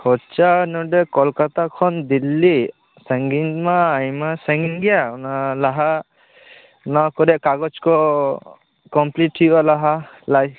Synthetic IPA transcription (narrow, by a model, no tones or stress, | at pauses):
hɔt͡ʃanɔɖɛkɔlkat̪akʰɔnd̪ilːi | sɛ̃ŋɡinmaːjmasɛŋɡiŋɡijanalaɦa | nakɔɾɛʔkaɡɔt͡ʃkɔ | kɔmpliʈʰːibalaɦa | laj